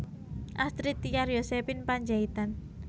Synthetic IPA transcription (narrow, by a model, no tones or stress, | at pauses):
ʔast̪ɾit̪ikaɾjosepinpaɲd͡ʒait̪an